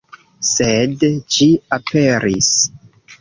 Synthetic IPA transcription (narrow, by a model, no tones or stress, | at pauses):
sedd͡ʒiapʰeɾḭs